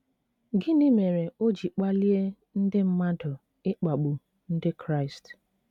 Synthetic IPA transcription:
ɡɪ˦nɪ˦me˨ɾe˨o˦d͡ʒi˨k͡pa˦li˦e˦ | n̩˦dɪ˦m̩˦ma˦dʊ˨ | ɪ˦k͡pa˨ɡ͡bu˨ | n̩˦dɪ˦kɾa˦ɪ˨st

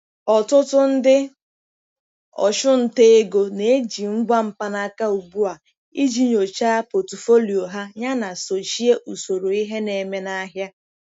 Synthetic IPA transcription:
ɔ˨tʊ˦tʊ˦n̩˦dɪ˦ | ɔ̰˨ʃʊ˦n̩˨te˦e˦ɡo˨ne˨e˦d͡ʒi˨ŋ̩˦ɡ͡bʷa˦m̩˨pa˦na˦ka˦u˨ɡ͡bu˦a˨ | i˦d͡ʒi˨ɲo˨t͡ʃa˦po˨tʊ˨fo˦li˨o˨ɦa˦ɲa˦na˨so˨t͡ʃi˦e˦ʔu˨so˨ɾo˨i˦ɦe˦ne˨me˦na˦ɦja˦

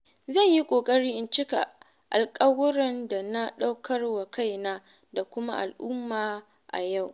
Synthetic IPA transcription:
zɐ˦˨ɲji˦kʷʼoː˨kʼɐ˦ɽiː˦ʔɪ˨nt͡ʃɪ˦ka̰˨ | ʔa˨lkʼɐ˦wʊ˦ɾɐ˨nda˨na˦ɗa˦wkʰɐ˦rwa˨ka˦˨jnaː˦ | da˨kʷʊ˦ma̰˦ʔa˨lʔʊ˦mːaː˨ | ʔa̰˨ja˦˨w

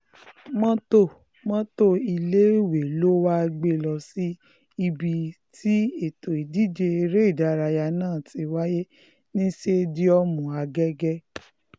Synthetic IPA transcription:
mɔ̃˦to˦˨ | mɔ̃˦to˦i˧le˦˨we˨lo˦wa˦˧ɡ͡be˧˨lɔ˧si˦ | i˧bi˧ti˦e˨to˨i˨di˨˦d͡ʒe˧e˧ɾe˦i˦˨da˨˧ɾa˧ja˧nãː˦˨ti˨˦wa˦je˦ | nĩ˦ʃe˦di˦ɔ˧mũ˨a˨˧ɡɛ˦ɡɛ˦

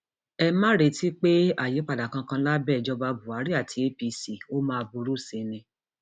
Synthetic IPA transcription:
ɛ˧mã˦ɾe˧˦ti˦k͡pe˦a˦˨je˨˦k͡pa˦˨da˨kã˧kã˧la˦bɛ˦˨d͡ʒɔ˧ba˧bu˨a˨˦ɾi˦a˦˨tʰi˧˦e˦pi˧si˨o˦mãː˦˧bu˧ɾu˦˨se˧˦nĩ˧

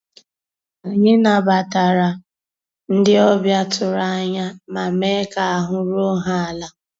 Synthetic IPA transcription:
a˨ɲɪ˦na˨ba˨ta˨ɾa˨ | n̩˦dɪ˦ɔ˦bja˦tʊ˨ɾa˦ɲa˦ma˨me˦ka˨a˨ɦʊ˦ɾo˦ɦa˦a˨la˦

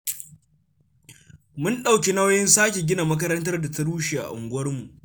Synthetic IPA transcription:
mʊ˦nɗa˨wk̬ʲe˦na˦wjɪ˦nsaː˦kʲe˨ɡʲɪ˦na˨mɐ˦k̬ɐ˦ɾɐ˦ntɐ˦rda˨ta˦ɽuː˦ʃe˨ʔa̰˨ʔʊ̰˨ŋɡʷʊ˦wɐ˦rmu˨ʔ

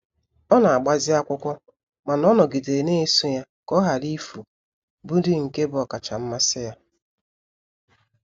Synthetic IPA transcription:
ɔ˦na˨a˨ɡ͡ba˨zɪ˦a˦kʷʊ˦kʷɔ˦ | ma˨nɔ˦nɔ˨ɡi˨de˨ne˦e˦su˦ja˦ | kɔ˦ɦa˨li˦fu˨ | bu˦dɪ˦ŋ̩˨ke˦bʊ˦ɔ˨ka˨t͡ʃa˨m̩˦ma˦sɪ˦ja˦

